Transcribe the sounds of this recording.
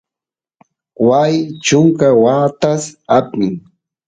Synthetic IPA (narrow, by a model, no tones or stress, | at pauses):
wajt͡ʃʊŋkawat̪asapɪŋ